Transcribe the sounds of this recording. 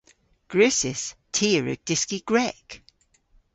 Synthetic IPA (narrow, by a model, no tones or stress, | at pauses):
ɡ̥ɹʉsɪstʰiːɹʉ̰ɡ̚d̥ɪskiɡ̥ɹɛk